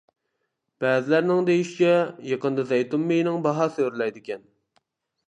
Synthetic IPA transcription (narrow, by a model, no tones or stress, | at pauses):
b̥æːzɪlæɾnɪŋd̪ejiʃit͡ʃʰʲɛjeqənd̪ɑzɛjt̪umːejnɪŋbɑɦɑsøɾɪlɛjd̪ɪkʲɛn